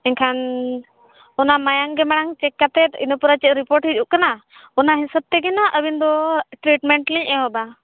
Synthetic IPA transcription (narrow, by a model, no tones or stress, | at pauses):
ɛɲkʰan | ɔnamajaŋɡɛmaɽ̃aŋt͡ʃɛkːat̪ɛt̪ḭnəpuɾat͡ʃɛʔ̪ɾipɔɾʈɦid͡ʒuʔkanaɔnaɦisəb̚t̪ɛɡɛnaʔəbind̪ɔʈɾiʈmɛɳʈliɲʔɛɦɔba